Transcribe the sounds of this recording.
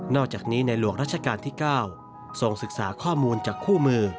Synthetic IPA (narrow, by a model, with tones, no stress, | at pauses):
nɔː˥˩k̚t͡ɕaː˨˩k̚niː˦˥na˧jlu˨˩əŋ̚ɾa˦˥t̪̚t͡ɕʰa˧kaː˧nt̪ʰiː˥˩kaː˥˩w | so˧ŋsɯ˨˩k̚saː˩˦kʰɔː˥˩muː˧nt͡ɕaː˨˩kʰːuː˥˩mɯː˧